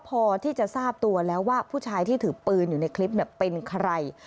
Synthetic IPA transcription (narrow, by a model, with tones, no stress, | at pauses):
pʰɔː˧t̪ʰiː˥˩t͡ɕa˨˩ʔsaː˥˩p̚t̪u˧ɐlɛː˦˥wːaː˥˩pʰuː˥˩t͡ɕʰaː˧jt̪ʰiː˥˩t̪ʰɯː˩˦pɯː˧njuː˨˩na˧jkʰli˦˥p̚ni˥˩ɐpe˧nkʰa˧ɾa˧j